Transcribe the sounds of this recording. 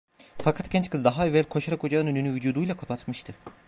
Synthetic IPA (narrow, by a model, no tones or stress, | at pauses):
fakʰat̪cʰʲɛnt͡ʃkʰɯzd̪aɦaevɛlʲkʰo̞ʃaɾako̞d͡ʒaɯnønynyvyd͡ʒuːd̪ujlˠakʰapʰat̪mɯʃt̪ʰɯ